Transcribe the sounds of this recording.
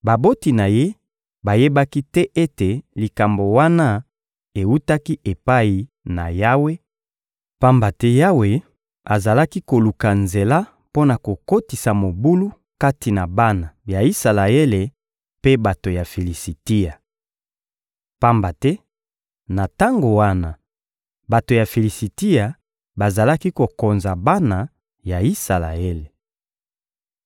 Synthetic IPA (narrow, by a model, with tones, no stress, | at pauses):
ba˨bo˦ti˨na˨je˦ | ba˨je˦ba˦ki˦tɛ˦ʔe˦te˨li˨ka˨mbo˨wa˦na˦ | e˨wu˦ta˦ki˦ʔe˨pa˦ji˨ | na̰˨ja˦we˦ | pa˦mba˨tɛ˦ja˦we˨ | a˨za˨la˦ki˦ko˨lu˨ka˨nze˨la˦ | po˦na˨ko˨ko˦ti˨sa˨mo˨bu˦lu˦ | ka˦ti˨na˨ba˦na˨ja˨i˦sa˨la˨e˦le˨ | pe˦ba˨to˨ja˨fe˨li˨si˨ti˦ja˨ | pa˦mba˨tɛ˦ | na˨ta˦ŋɡo˨wa˦na˨ | ba˨to˨ja˨fe˨li˨si˨ti˦ja˨ | ba˨za˨la˦ki˦ko˨ko˨nza˨ba˦na˨ | ja˨i˦sa˨la̰˨e˦le˨